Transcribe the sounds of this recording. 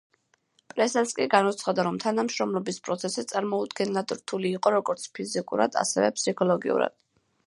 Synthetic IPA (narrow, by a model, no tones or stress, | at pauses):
pʼɾɛsɛlskʼiɡanut̪sʰχad̪aɾɔmt̪ʰanamʃɾɔmlˠɔbispʼɾɔt̪sʰɛsit̪sʼaɾmɔud̪ɡɛnlad̪ɾt̪ʰuliːqʼɔɾɔɡɔɾt̪sʰpʰizikʼṵɾa̰d̪̥a̰sɛ̰vɛ̰pʰsikʰɔlˠɔɡḭṵɾa̰d̪̥